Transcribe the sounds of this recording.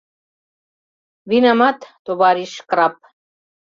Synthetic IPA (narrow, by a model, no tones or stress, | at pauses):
vinamat̪t̪obaɾiʃkɾap̚